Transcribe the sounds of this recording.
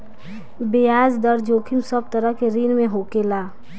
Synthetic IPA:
bejaːzd̪əɾd͡ʒoːkʰɪmsəb̚t̪əɾəɦkeɾiːnmẽɦoːkelaː

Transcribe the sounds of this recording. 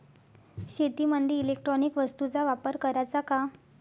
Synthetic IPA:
ɕet̪imənd̪ʱjiilek̚ʈɾɔnikʋəst̪ut͡saʋapəɾkəɾajt͡saka

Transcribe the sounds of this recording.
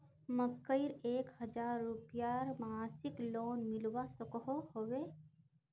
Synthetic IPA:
məkːəiɾeːkhəd͡ʒaːɾːupjaɾmasɪkloːnmɪlwasəkɦohowe

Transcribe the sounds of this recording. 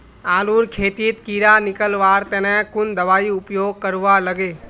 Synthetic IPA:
aːluɾkʰeːt̪it̪kiːɾanɪkəlʋaːɾt̪ɛnɛkʊnd̪əʋaːiʊpjoːɡ̚kəɾʋaləɡeː

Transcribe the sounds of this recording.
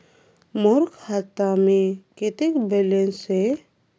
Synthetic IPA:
mʊɾkʰːat̪amẽket̪ekbɛlense

